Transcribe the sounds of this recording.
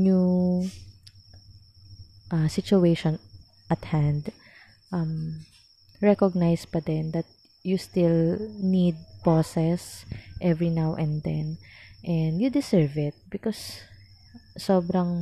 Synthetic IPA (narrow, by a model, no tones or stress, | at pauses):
nju | ʔasɪt͡ʃʊejʃɔ̃n | ʔɐt̪hãnd̪ | ʔɐm | ɹɛkɔɡ̚najspɐd̪ɛnd̪ɐt̪̚ | just̪ɪlnid̪̚posɛsʔɛvɹinawʔɛ̃nd̪ɛnʔɛnd̪jʊd̪ɪsɛɹvɪt̪̚bɪkɔs | obɾɐŋ